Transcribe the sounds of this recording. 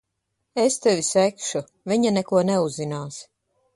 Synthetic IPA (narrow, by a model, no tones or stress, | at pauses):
est̪ɛvisɛkʃu | viɲanɛkuɔnɛuzːinaːs